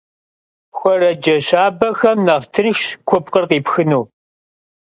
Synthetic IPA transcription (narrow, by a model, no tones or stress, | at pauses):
xʷɔɾɐd͡ʒɐɕaːbɐxɐmnɐʁtʰɨnʃkʷʰʊp̚qərqiːpxɨnuː